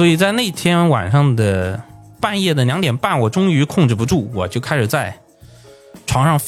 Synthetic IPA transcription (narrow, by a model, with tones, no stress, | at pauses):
swɔ˧˥i˨˩t͡sa˥˧ɪne˥˩ɪt̪ʰjɛ˥nwa̰˨˩nʂɑ˥˩ŋd̪ə˩ | pa˥˧njɛ˥˩d̪ə˩ljɑ˧˥ŋt̪jɛ˨˩npa˥˩nwɔ˨˩ʈ͡ʂʊ˥ŋy˧˥kʰʊ˥˧ŋʈ͡ʂɻ̩˥˩pu˧˥ʈ͡ʂu˥˩wɔ˨˩t͡ɕjo˥˩˧ʊkʰa˥ɪʂɻ̩˨˩t͡sa˥˩ɪ | ʈ͡ʂʰwɑ˧˥ŋʂɑ˥˧ŋf